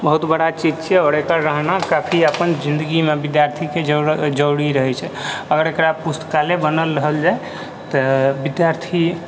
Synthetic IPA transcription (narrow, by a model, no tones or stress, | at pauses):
bəɦut̪bəɽat͡ʃid͡ʒt͡ʃʰɛɔɾekəɾɾəɦnakapʰiəpənd͡ʒind̪əɡimebid̪jaɾt̪ʰiked͡ʒəwɽiɾəɦɛt͡ʃʰɛəɡəɾekɾapust̪ə̥kalebənəlɾəɦəld͡ʒae | t̪ɔbid̪jaɾt̪ʰi